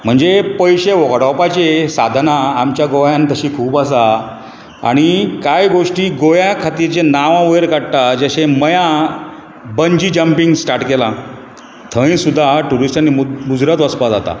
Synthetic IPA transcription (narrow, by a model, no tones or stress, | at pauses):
m̤əɳd͡zepəjɕeʋoɡɽawpat͡ɕesad̪ʱnaːmt͡ɕjaɡojãnt̪əɕiːkʰuːpas̬a | a̰ɽ̃ikajɡoʂʈiːɡojakʰat̪iɾt͡ɕenaʋãʋəjɾkaɽt̪ad͡ʑaɕeməjã | bəɲd͡ʑiːd͡ʑəmpiŋɡsʈaɾʈkelã | t̪ʰəĩsud̪ʱːaʈuɾisʈanːiːɡud͡zɾət̪ʋəspad͡zat̪a̰